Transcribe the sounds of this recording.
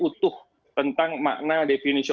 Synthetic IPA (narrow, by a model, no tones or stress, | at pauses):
ut̪ʊh | t̪ənt̪aŋma̰ʔnadefinisi